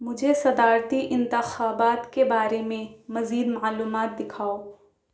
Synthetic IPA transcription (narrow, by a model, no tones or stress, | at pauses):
mʊd͡ʒʱesɐd̪aːɾt̪iʔɪ̃nt̪ɪxaːbaːt̪kebaːɾemẽmɐziːd̪maaluːmaːt̪̚d̪ɪkʰaːoː